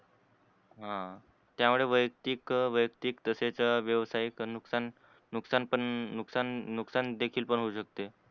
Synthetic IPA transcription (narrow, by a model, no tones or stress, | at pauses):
ɦã | t̪jamuɭeʋəjk̚t̪iːkʋəjəkt̪iːkt̪əset͡saʋjəʋsajiknuksanː | uksanpəɳnuksanːuksand̪ekʰiːlpəɳɦouɕək̚t̪e